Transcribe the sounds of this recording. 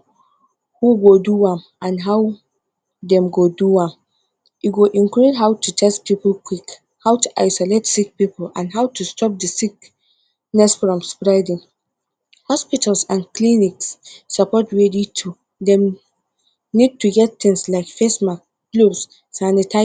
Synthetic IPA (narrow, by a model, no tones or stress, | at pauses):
huɡoduãm | ãnɦaw | dɛ̃mɡoduãm | juɡoʔĩŋkɹidɦawtʰut͡ʃɛspipəlkwik | hawtuʔaɪsɔletsik̚pipəl̩ã̰nɦawtʰustʰɔp̚dəsik | nɛsfɹɔ̃mspɹaɪdĩŋ | hɔspitʰalsãnkliniksːapɔtɹɛditʰu | dɛ̃m | nid̚tuɡɛtθɪ̃ŋslaɪkfesmak | ɡlubsː | anitʰa